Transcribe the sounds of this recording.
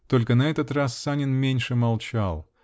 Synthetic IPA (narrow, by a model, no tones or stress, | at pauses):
t̪o̞lʲkənɐɛt̪ət̪rasːanʲɪnmʲenʲʂɨmɐlˠt͡ɕalˠ